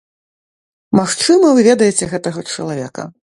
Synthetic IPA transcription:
maxt͡ʂɨmɐvɨvʲɛd̪ɐjɛt͡sʲɛɣɛt̪ɐɣɐt͡ʂɐ̰lˠavʲɛ̰kɐ̰

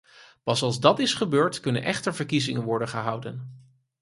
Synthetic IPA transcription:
pɑsɑlˠzdɑtɪsχəbøːɹtkɵnə̰nʔɛχtəɹvəɹkizɪŋənʋɔɹdənχəɦʌwdən

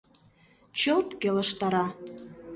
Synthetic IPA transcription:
t͡ɕəlt̪keləʃt̪ɑɾɑ

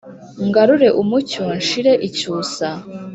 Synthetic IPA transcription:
ŋɡaɾuɾe̞ʔumuconʃiɾe̞ʔicuːsa

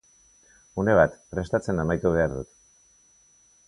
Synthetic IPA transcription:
une̞βat̪pre̞st̪at͡se̞namajt̪uβ̞e̞aɾðṵt̪

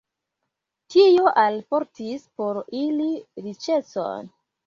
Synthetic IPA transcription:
tijoʔalpoɾtispo̞ɾiliɾit͡ʃet͡so̰n

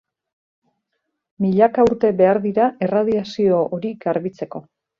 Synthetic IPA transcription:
miʎakauɾt̪e̞βe̞aɾðiɾaʔe̞rað̞iasio̞ʔoɾiɡaɾβit͡se̞ko̞

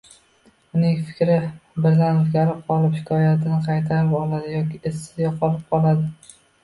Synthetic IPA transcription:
ʊnɪŋfɪ̥kʲɾɪbɪɾzanɪfɡʲaɾɪp̚qʰɒlˠɪphɪkʰɒjat̪ʰɪnɪqʰɑjt̪ʰaɾɪpɒlˠad̪ɪjɒkʲʰɪesːɪ̥zɡʲaqʰɒlˠɪp̚qʰɒlˠad̪ɪ

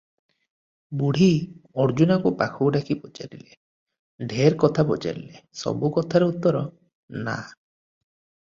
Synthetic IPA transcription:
buɽ̤iɔɾd͡ʒunakupakʰuɖakʰipɔd͡ʒa̰ɾile | ɖʱeɾkɔt̪ʰabɔd͡ʒa̰ɾḭlesɔ̰bukɔt̪ʰaɾeut̪ːɔɾɔ | na̰

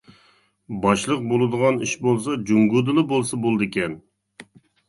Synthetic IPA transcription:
bɑʃlˠəq̚bolˠɨd̪əʁɑniʃbolˠsɑd͡ʒuŋɡud̪ɨlˠɨbolˠsɑbolˠd̪ɨkʲɛn

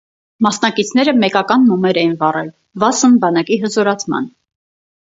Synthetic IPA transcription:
mɑsnɑkit͡sʰnɛɾəmɛkɑkɑnmɔmɛɾɛjinvɑrɛl | vɑsənbɑnɑkiɦəzɔɾɑt͡sʰmɑ̰n

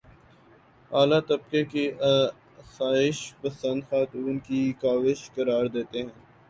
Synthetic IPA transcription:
aːlat̪ɐb̚kekeʔɐ | saːɪʃpɐsə̃nd̪xaːt̪uːnkikaːʋɪʃkɐɾaːɾd̪eːt̪eɦɛ̃ː

